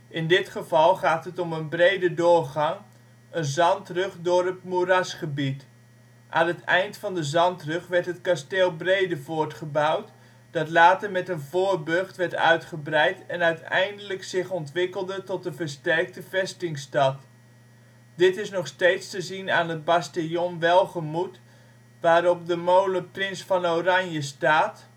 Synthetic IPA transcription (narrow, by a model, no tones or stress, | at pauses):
ʔɪndɪtχəvɑlˠχaːtɦətɔmənbrejdədʊːɹχɑŋ | ənzɑntrøχdʊːrətmurɑsχəbit | ʔa̰ːnətɛjntfɑndəzɑntrøχʋɛɹtɦətkasteːlˠbrejdəvoːɹtχəbawt | d̥ɑtlaːtəɹmɛtənvoːɹbøχtʋɛɹtœ̰ɥtχəbrɛjtɛnœɥtɛ̰jndələksɪχɔntʋɪkəlˠdətɔtdəvəɹstɛrk̚təvɛstɪŋstɑt | dɪtɪsnɔχstejtstəzinaːnɦəd̚bastejɔmʋɛlˠχəmut | ʋaːɾɔpdəmowləprɪnsfɑnowrɑnjəstaːt